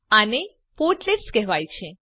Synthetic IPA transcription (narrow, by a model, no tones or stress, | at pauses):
ane | poɾʈlepskɛɦʋajt͡ʃʰe